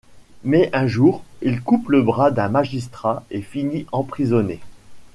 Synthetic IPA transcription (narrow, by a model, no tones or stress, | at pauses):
mɛʔɛ̃ʒuːʁilkupləbʁad̪ɛ̃maʒis̬t̪χaefiniʔɑ̃pχizɔne